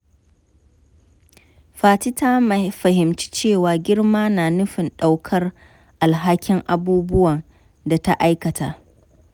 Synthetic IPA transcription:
ɸaː˨ti˦ta˦ma˨ɸɐ˨ɦɪ˨mt͡ʃi̥˦t͡ʃeː˦˨waː˨ɡʲɪ˦rmaː˦naː˨nʊ˦ɸɪ˨nɗa˨wkʰɐ˦r | ʔa˨lɦa˦kʲɪ˦ŋʔa˨buː˦bʊ˦wɐ˨n | da˨ta˦ʔa˦jkɐ˨tʰaː˨ʔ

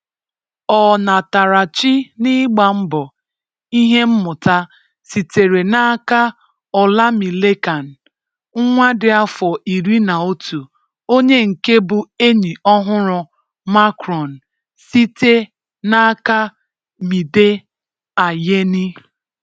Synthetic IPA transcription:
ɔ˨na˨ta˨ɾa˨t͡ʃi˦ni˦ɡ͡ba˨m̩˦bɔ˨ | i˦ɦe˦m̩˦mʊ˨ta˦ | si˨te˨ɾe˨na˦ka˦ | ɔ˨la˦mi˨le˦ka˨n̩˨˦ | ŋʷa˦dɪ˨a˦fɔ˨ʔi˨ɾi˦na˨o˦tu˨ | o˦ɲe˦ŋ̩˨ke˦bʊ˨e˦ɲi˨ɔ˦ɦʊ˦ɾʊ˨ | ma˦kɾɔ˨n̩˨ | si˦te˦ | na˦ka˦ | mi˨de˦ | a˨je˦ni˦

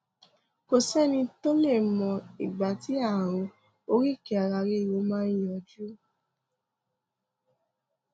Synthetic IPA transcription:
ko˨sɛ˦˨nĩ˧to˦le˦˨mɔ̃˧˨i˨ɡ͡ba˨ti˨˦a˦˨ɾo˨˦ | o˦ɾi˦˨ki˨˦a˨ɾa˧ɾe˦˨wo˧˦mãː˦jɔ̃˧d͡ʒu˦

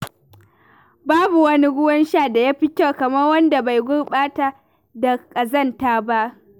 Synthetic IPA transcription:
baː˦bu˨wɐ˦ni˦ɡʷʊ˦wɐ˦nʃa˦˨da˨ja˦ɸɪ˦kʲa˦˨kɐ˨mɐ˦rwɐ˦nda˨ba˨jɡʷʊ˦ɽɓaː˦ta˨ | da˨kʼɐ˨zɐ˦˨ntaː˦ba˦ʔ

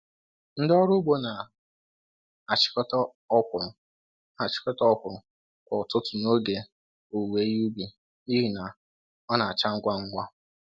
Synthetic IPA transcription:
n̩˦dɔ˦ɾʊ˦bo˦na˨ | a˨t͡ʃɪ̥˦kɔ˦tɔ˦ | ɔ˦kʊ˨ɾʊ˨ | a˨t͡ʃɪ̥˦kɔ˦tɔ˦ɔ˦kʊ˨ɾʊ˨ | kɔ˨tʊ˦tʊ˨no˦ɡe˨ | o˨we˨˦ju˦bi˨ | i˦ɦi˨na˨ | ɔ˦na˨a˨t͡ʃa˦ŋ̩˦ɡʷa˦ŋ̩˦ɡʷa˦

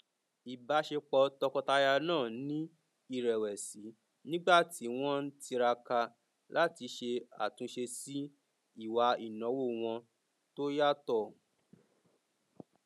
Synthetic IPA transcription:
i˨ba˨˦ʃe˧k͡pɔ˧tɔ˧kɔ˧ta˧ja˧nãː˦˨nĩ˦ | i˦˨ɾɛ˨wɛ˨si˨˦ | nĩ˦ɡ͡ba˦˨ti˨˦w̃ɔ̃˦n̩˦ti˧ɾa˧ka˧ | la˦ti˧ʃe˧a̰˨tũ˨˧ʃe˧si˦ | i˦˨wa˧i˨nɔ̃˨˦wo˦˨w̃ɔ̃˧ | to˦ja˦tɔ˦˨

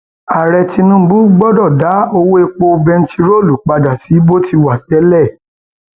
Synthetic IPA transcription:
a˨ɾɛ˧ti˧nũ˧˦bu˦ɡ͡bɔ˦dɔ˦˨da˨˦o˧wo˦e˧k͡po˧bɛ̃˧n̩˦ti˧ɾo˦˨lu˨k͡pa˧da˨si˨˦bo˦ti˧wa˨tɛ˨˦lɛ˦˨

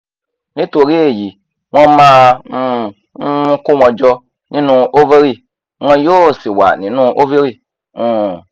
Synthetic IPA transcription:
nĩ˦to˨ɾe˦e˨ji˨ | ŋ̃ɔ̃˧mã˦˧˨ | ũ˧˦ko˦w̃ɔ̃˧d͡ʒɔ˧ | nĩ˧˦nũ˧ʔo˦ve˦ɾi˧˨ | ŋ˦ɔ̃˧jo˦˨si˨wa̰˨nĩ˨nũ˦ʔo˦ve˦ɾi˦˨ | ũ˨˧

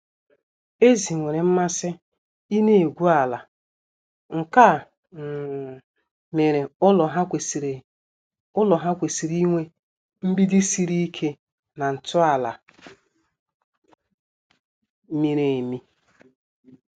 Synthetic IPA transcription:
e˦zi˨ŋʷe˨ɾe˨m̩˦ma˦sɪ˦ | i˦ne˦e˨ɡʷu˦a˨la˨ | ŋ̩˨ka˦˨ | me˨ɾe˨ʊ˦lɔ˨ɦa˦kʷe˨s | ʊ˦lɔ˨ɦa˦kʷe˨si˨ɾi˦ŋʷe˦ | m̩˦bi˦di˦si˨ɾi˦i˦kʰe˦ | na˨n̩˨tʊ˦a˨la˨˦ | mi˨ɾe˨e˨mi˦

